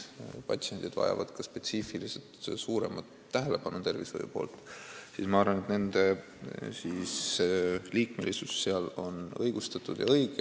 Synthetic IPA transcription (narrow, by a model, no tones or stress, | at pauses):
pɑt̪sienʲd̪̥id̪̥vɑ̰jɑ̰vɑd̪̥kɑspe̞t̪sifilise̞lt̪suːɾe̞̰mɑt̪ːæɦele̞pɑnut̪e̞rvisho̰jṵpo̞̰ːlt̪ˑsiːsmɑɑrvɑne̞t̪ne̞nd̪e̞ | sis | liːkme̞lisusːeɑlo̞nɤjɡ̥ust̪ɑt̪ːˑud̪̥jɑ̰ɤjɡe